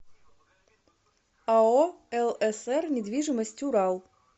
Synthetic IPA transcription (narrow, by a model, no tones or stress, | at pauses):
aɔɛlˠɛsɛrnʲɪd̪ʋʲiʐɨmɔsʲtʲuɾɑlˠ